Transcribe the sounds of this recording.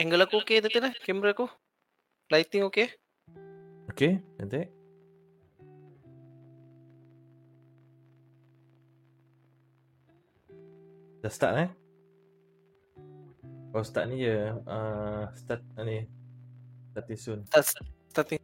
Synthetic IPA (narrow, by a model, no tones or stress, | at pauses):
ɛŋɡəlakuoket̪at̪ənakɛmɾəaku | lajt̪iŋoke | okeət̪eʔ | dast̪a̰ʔ̚na | kast̪a̰ʔ̚nĩjəəst̪at̪̚ni | st̪at̪isʊnt̪atst̪at̪i